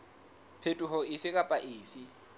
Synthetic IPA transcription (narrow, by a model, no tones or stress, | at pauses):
pʰetʼuɦɔɪfɪkʼapʼaʔɪːfɪ